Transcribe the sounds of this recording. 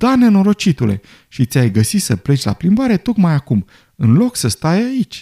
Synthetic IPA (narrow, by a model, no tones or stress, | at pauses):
d̪̥ane̞no̞ɾo̞t͡ʃit̪ule̞̰ | ʃit̪sʲajɡəsisəple̞t͡ʃʲla̰plimbaɾe̞t̪o̞kmajakum | ɨnlo̞ksəst̪ajait͡ʃʲ